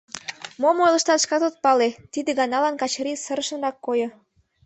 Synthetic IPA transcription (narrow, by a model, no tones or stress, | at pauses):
momojlə̆ʃt̪ɑt̪ə̥ʃkɑt̪ot̪̚pɑlet̪id̪ĕɡɑnɑlɑnkɑt͡ɕɾisəɾəʃə̆nrɑkːojo